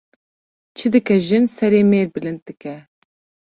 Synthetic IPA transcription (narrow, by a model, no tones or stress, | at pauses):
t͡ʃʰɨd̪ɨkɛʒɨnsɛɾeːmeːɾbɨlɨnd̪̚d̪ɨkɛ